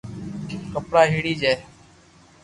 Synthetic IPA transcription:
kəpɽaːɦiːɽiːd͡ʒaːe

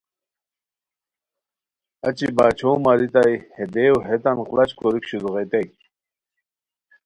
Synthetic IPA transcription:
ɐt͡ɕibaːt͡ɕʰowmaɾit̪ajhed̪ewɦet̪ɐnqlɐt͡ɕkoɾikɕuzuʁet̪ek̚

